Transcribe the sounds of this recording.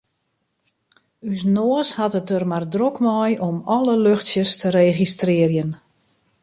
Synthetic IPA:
ysnoəshatətərmardrokmɔjʔɔmɔləløxtsjəstəɾeɣistrɪərjən

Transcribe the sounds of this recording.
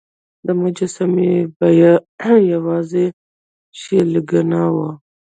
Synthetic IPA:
d̪əmad͡ʒasamebajajawɑze | ʃeləɡanawa

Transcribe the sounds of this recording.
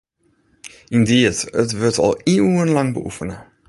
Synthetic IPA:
indiətətʋətʰɔ̰lˠiuənlɑŋbəʔufənə

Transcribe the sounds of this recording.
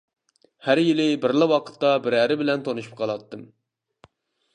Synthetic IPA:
hæɾjilɪbɪɾlˠɑwɑqʰə̥t̪ːɑbɪɾæɾɪbɪlɛnt̪ʰonɨʃu̥p̚qʰɑlˠɑt̪ːɨm

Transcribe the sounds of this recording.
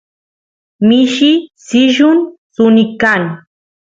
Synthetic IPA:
mɪʃisɪʒʊnsʊnɪkaŋ

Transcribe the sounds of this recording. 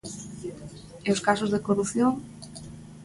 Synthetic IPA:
eoskasozðekoruθjoŋ

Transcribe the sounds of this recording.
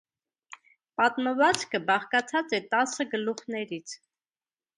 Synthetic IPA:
pɑt̪məvɑt͡skəbɑχkɑt͡sʰɑt͡sɛt̪ɑsəɡəluχnɛɾit͡sʰ

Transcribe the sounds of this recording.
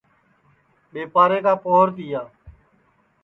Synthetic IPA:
ɓeːpaːɾeːkaːpoːəɾt̪iːjaː

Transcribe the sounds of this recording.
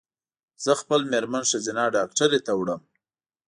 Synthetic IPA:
z̥əxpəlmeɾmanʃazɪnɑɖɑkʈaɾet̪awɽəm

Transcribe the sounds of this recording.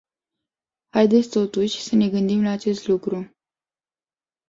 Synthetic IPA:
hajd̪e̞t̪sʲt̪o̞t̪uʃʲsəne̞ɡɨnd̪imlaːt͡ʃe̞st̪lukɾu

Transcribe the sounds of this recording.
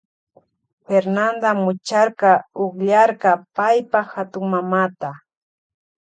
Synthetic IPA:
feɾnand̪amʊt͡ʃaɾqɑoχʎaɾqɑpajpaxat̪ʊŋmamat̪a

